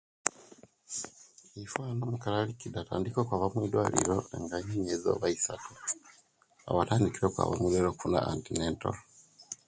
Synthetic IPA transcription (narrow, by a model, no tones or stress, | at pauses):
ifwanomukalalicidata̰ːndikokwaβamwiːdwaːlḭɾoeŋɡaɲiɲezo̰βaisatu | a̰βataːndikiɾokwa̰ːβa̰muleɾokfuna̰antineːnto̰lo